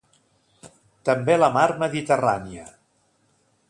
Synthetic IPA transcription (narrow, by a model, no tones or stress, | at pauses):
t̪əmbeləmaɾməðit̪əraniə